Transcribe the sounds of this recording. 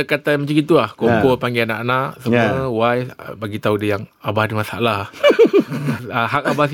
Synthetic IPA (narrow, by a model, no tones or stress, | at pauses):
əkat̪amat͡ʃakɡit̪ulahkokolpaŋɡeana̰ʔanaʔsəuəwajbaɡit̪audəjaŋabahdimasa̰ʔlah | əɦak̚abas